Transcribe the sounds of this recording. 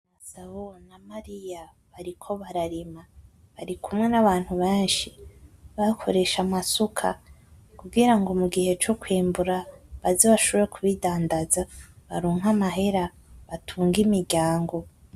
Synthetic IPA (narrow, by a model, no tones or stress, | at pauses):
βasaβonamaɾija | βaɾikʰo̞βaɾaɾima | βaɾikʰumŋe̞naβaːn̥huβeːnʃiβakʰo̞ɾe̞ʃamasukʰa̰ | kuɡiɾaŋɡo̞muɡihe̞t͡ʃokwiːmbuɾaβazoβaʃoβɾekʰuβidaːndazaβa̰ɾuːŋɦamaɦe̞ɾa | βatʰuːŋɡimiɾɟaːŋɡo̞